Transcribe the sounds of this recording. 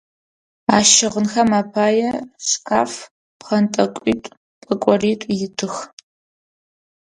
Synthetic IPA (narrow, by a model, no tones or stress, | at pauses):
aːʃɪʁənxɐmapʰaːjɛɕɕkʰa̰ːf | pχɐntʼɐkʷʼḭːtʼ | pʼɨkʷʼɔriːtʷʼjɪtʰɨx